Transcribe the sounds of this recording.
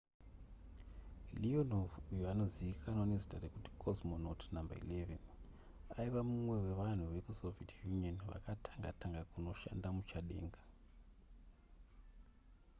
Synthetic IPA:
lionovujoano̞ziʋikʰanwane̞zitarekuti̥kʰozmonotnamba̰ḭleʋḛn | aiʋamumwe̞we̞ʋan̤uʋekusovietʰjunionʋa̰katʰḁŋɡatʰaŋɡakuno̞ʃa̰ndamut͡ʃaɗe̞̰ːŋɡa

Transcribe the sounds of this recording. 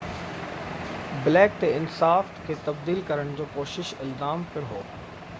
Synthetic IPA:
bɪlɛːk̚t̪eɪnsaːft̪kʰeːt̪ɐb̚d̪iːlkɐɾəɽ̃d͡ʑoːkoːʃɪʃɪlzaːmpʰɪɾɦoː

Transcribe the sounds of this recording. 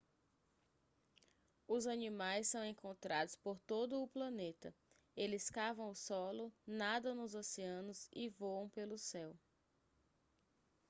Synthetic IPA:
ʊzɐnĩmajsːɐ̃w̃ẽkõnt̪ɾad̪ʊ̥spoɾt̪od̪ʊːplɐnet̪ɐ | elɪskavɐ̃w̃ʊsɔlʊnad̪ɐnʊzoseɐ̃nʊzɪvoɐ̃w̃pelʊsɛw

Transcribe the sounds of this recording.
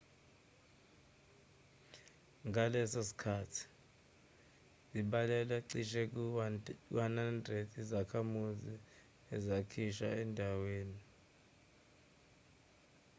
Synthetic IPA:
ŋʱalɛsosi̥kʰaːtʰi̥ | ziɓalɛlɛǀiʃɛ | wanandʱetʰʼizakʰamuzi | ɛzakʰiʃaɛndʱaweːni

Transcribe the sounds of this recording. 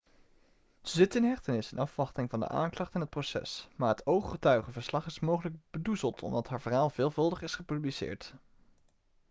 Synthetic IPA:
z̥əzɪtɪnɦɛχtənɪsənɑfʋɑχtɪŋvɑndə̰ʔa̰ːŋklɑχtɪnɦət̚prosɛ̰smaːɹɦətʰowχχətœɥχəvəɹslɑχɪsmowχələɡ̚b̥əduzəlˠtʰɔ̰mdɑtɦaːɹvərɦaːlˠv̥ɪːlˠvɵlˠdəχɪsχəpyblisɪ̰ːɹt

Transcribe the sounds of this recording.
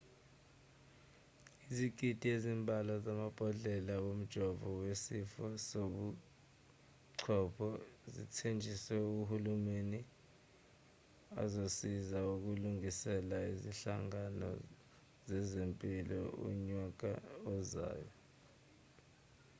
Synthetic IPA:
iziɡ̥̬id̥ʼʱiezimbʱalazamab̥ʱɔɮɛlawom̩d̥ʒ̥ʱɔvɔwesifɔsoɓu | ǀʰɔpʰɔzḭtʰend͡ʒʱisɛuhulumeni | a̰zosizauk̬uluŋisɛlaiziɬaŋanɔ̰ | zɛzempʼilɔ̰ṵɲɔk̬ʼa̰ɔza̰ːjɔ

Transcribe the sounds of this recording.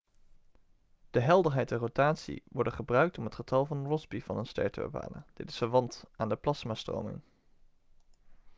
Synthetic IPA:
d̥əɦɛlˠdəɹɦɛjtɛnrotaːtsḭʋɔɹdəχəbrœɥk̚tɔmɦətχətʰɑlˠvɑnrɔzbiv̥ɑ̰nənstɛ̰ɹtəbə̰pa̰ːlə̰nd̥ɪtɪ̥sfəɹʋɑntaːndəplɑsmaːstro̰wmɪ̰ŋ

